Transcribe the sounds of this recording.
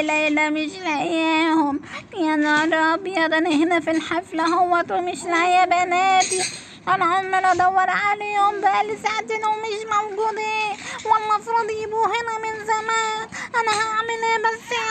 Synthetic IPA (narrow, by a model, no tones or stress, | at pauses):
lajlamɪʃlaʕjeːhʊmjaʕniɑrˤɑbjɑd̪ˤanaɦɪnafilħaflaɦʊwːat̪umɪʃlaʕjabanaːt̪i | ʔanaʕʊmːalʔɑd̪ˤɑwːɑɾˤʕalioʊmbaʔalːisaʕt̪inwmɪʃmawɡuːd̪ˤiːnwɪlmɑfɾuːd̪ˤjɪbuhɪnamɪnzamaːnʔanahaʕmɪlaːbasːa